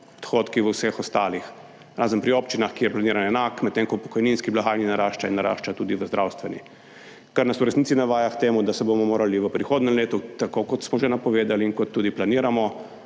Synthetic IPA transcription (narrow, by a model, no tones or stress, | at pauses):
ɔd̪xot̪kiʋəwsɛxɔst̪aːlix | ɾaːzənpɾiopt͡ʃinaxkiːjɛplaniːɾanɛnaːkmɛt̪t̪ːeŋkɔpɔ̥kɔjninskiblaxaːjninaɾaʃt͡ʃainːaɾa̰ːʃt͡ʃat̪uːd̪iʋəzd̪ɾʔawst̪ʋɛni | kaɾnasuɾɛsnit̪sinaʋaːjakt̪eːmud̪asɛbomɔmoːɾaliʋəpɾixoːd̪nɛmleːt̪ɔt̪akokɔt̪smɔʒenapɔʋeːd̪aliːŋkɔt̪ːuːd̪iplaniːɾamɔ